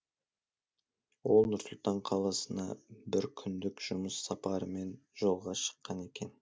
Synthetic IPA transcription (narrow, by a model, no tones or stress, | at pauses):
wo̞lˠnʊɾsʊlˠt̪ɑɴqʰɑlˠɑsənd̪ɑ̰bɪɾkʲʰʏnd̪ɪkʒ̥ʊməsːɑpɑɾəme̞nʒ̥o̞lˠʁɑʃə̥qːɑne̞kʲe̞n